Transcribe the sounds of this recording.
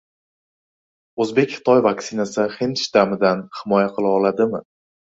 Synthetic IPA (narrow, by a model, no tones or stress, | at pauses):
ɵzbe̞kʲχɨ̥t̪ʰɒjvaksɪnasɪχenʃd̪amɪd̪anhɪmɒjaqʰɨlˠaɒlad̪ɪmɪ